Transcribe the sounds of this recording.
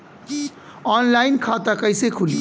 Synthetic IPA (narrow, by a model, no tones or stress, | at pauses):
ɔnlaɪnkʰat̪akəjsekʰuli